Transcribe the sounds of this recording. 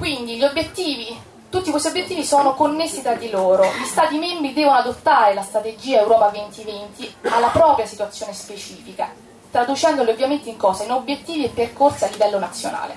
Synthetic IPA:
kwind̪iʎiobjet̪ːiːvi | t̪ut̪ːikwest̪jobjet̪ːiːvisɔːnokonːesːit̪ɾad̪ːiloːɾoʎist̪aːt̪imembɾid̪ɛːvonoad̪ot̪ːaːɾelast̪ɾat̪ed͡ʒiːaewɾɔːpavent̪ivent̪ialːapɾɔːpɾjasit̪wat̪sːjoːnespet͡ʃiːfika | t̪ɾad̪ut͡ʃɛnd̪oliovːjament̪iŋkɔːsainobjet̪ːiːviɛpːerkorsialːivɛlːonat̪sːjona̰ːlḛ

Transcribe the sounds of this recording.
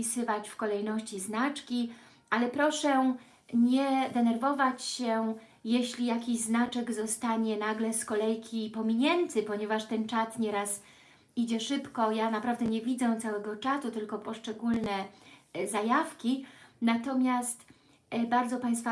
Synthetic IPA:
isɘvat͡ɕfkɔlɛjnɔɕt͡ɕiznat͡ʂkʲi | ʔalɛpɾɔʂɛ | ɲɛd̪ɛnɛɾvɔvat͡ɕɕɛ | jeɕlʲijakʲiʑznat͡ʂɛɡzɔst̪aɲɛnaɡlɛskɔlɛjkʲʰipɔmʲiɲɛnt̪ɘpɔɲɛvaʂt̪ɛnt͡ʂat̪ɲɛɾas | id͡ʑɛʂɘpkɔjanapɾavd̪ɛɲɛvʲid̪zɛt̪sawɛɡɔt͡ʂasut̪ɘlkɔpɔʂt͡ʂɛɡulnɛzajafkʲinat̪ɔmʲjast̪ | baɾd̪zɔpaj̃st̪fa

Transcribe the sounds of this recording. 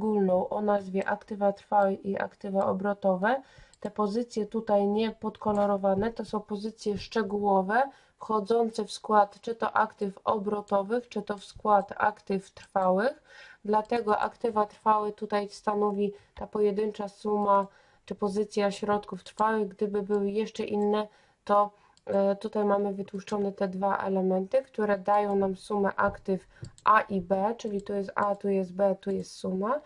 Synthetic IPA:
ɡulnɔ̃w̃ʔɔnazvʲjɛʔakt̪ɘvat̪ɾfawɘxiʔa̰kt̪ɘvaʔɔbɾɔt̪ɔvɛt̪ɛpɔzɘt̪sʲjɛt̪ut̪ajɲɛpɔt̪kɔlɔɾɔvanɛt̪ɔsɔ̃w̃pɔzɘt̪sʲjɛʂt͡ʂɛɡuwɔvɛ | fxɔd̪zɔnt̪sɛfskwat̪t͡ʂɘt̪ɔ̰ʔakt̪ɘfɔ̰bɾɔt̪ɔvɘxt͡ʂɘt̪ɔfskwat̪a̰kt̪ɘft̪ɾfawɘxd̪lat̪ɛɡɔʔa̰kt̪ɘvat̪ɾfawɘt̪ut̪ajst̪anɔvʲit̪apɔjɛd̪ɘnt͡ʂasuma | t͡ʂɘpɔzɘt̪sʲjaɕɾɔt̪kuft̪ɾfawɘɣɡd̪ɘbɘbɘwɘjɛʂt͡ʂɛʔinːɛ | t̪ɔ | t̪ut̪ajmamɘvɘt̪wuʂt͡ʂɔnɛt̪ɛd̪vaʔɛ̰lɛmɛnt̪ɘkt̪uɾɛd̪ajɔ̃w̃namsumɛʔakt̪ɘf | ʔaʔibɛt͡ʂɘlʲit̪ujɛst̪at̪ujɛst̪̚bɛt̪ujɛst̪suma

